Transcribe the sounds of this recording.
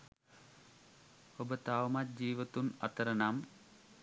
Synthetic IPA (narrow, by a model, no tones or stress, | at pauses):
hobət̪aːʋmat̪̚d͡ʒiːʋət̪unat̪əɾənam